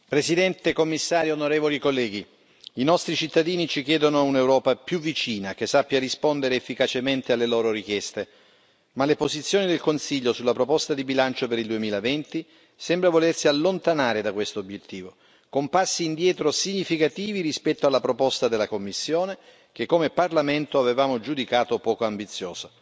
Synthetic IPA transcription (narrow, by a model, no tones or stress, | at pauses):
pɾesid̪ɛnt̪ekomːisːaːɾjonoɾeːvolikolːɛːɡi | inɔst̪ɾit͡ʃit̪ːad̪iːnit͡ʃik̟jɛːd̪onounewɾɔːpapjuvːit͡ʃiːnak̟esːapːjarispond̪eɾeːfːikat͡ʃement̪ealːeloːɾoɾik̟jɛst̪e | malepozit̪sːjoːnid̪elkonsiʎːosulːapɾopɔst̪ad̪ibilant͡ʃopeɾild̪uemiːlavɛnt̪i | sɛmbɾavolersialːont̪anaːɾed̪akwest̪oobjet̪ːiːvo | kompasːiːnd̪jɛːt̪ɾosiɲːifikat̪iːviɾispɛt̪ːoalːapɾopɔst̪ad̪elːakomːisːjoːne | k̟ekːomeparlament̪oavevaːmod͡ʒud̪ikaːt̪opɔːkoambit̪sːjɔ̰ːza